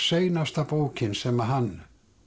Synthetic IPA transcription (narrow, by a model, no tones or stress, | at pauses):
sejnast̪apowcɪnsɛmːaɦanː